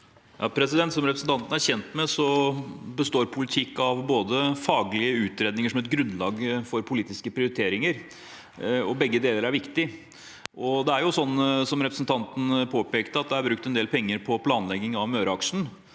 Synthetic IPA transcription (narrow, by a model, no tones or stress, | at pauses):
jɑ̰ːpʰɾɛs̬ɪd̪ɛnt̪sɔmɾɛpɾəsn̩t̪ɑnt̪ən̩æɾçɛnt̪mɛsɔbəst̪oːɾpʰʊlɪt̪ʰɪkːɑʋboːd̪əfɑːɡlɪəʉːt̪ɾeːd̪nɪŋəʂɔmɛt̪̚ɡɾʉnd̪lɑːɡfɔɾpʰʊliːt̪ɪskəpʰɾɪʊɾɪt̪ʰeːɾɪŋəɾ | ɔbɛɡːəd̪eːləɾæɾʋɪkt̪ɪ | ʔɔd̪ɛæɾjʊsɔnːsɔmɾɛpɾəsn̩t̪ʰɑnt̪ən̩pʰoːpeːkt̪əɑt̪̚d̪ɛæɾbɾʉk̚t̪ɛnd̪eːlpʰɛŋːəɾpʰɔpʰlɑːnlɛɡːɪŋɑʋmøːɾɑkʂɳ̩